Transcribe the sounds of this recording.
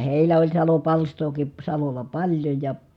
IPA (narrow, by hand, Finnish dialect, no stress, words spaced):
heˑilæ olʲ sɑlopɑlstoːki sɑlolˑɑ pɑlʲjoj jɑ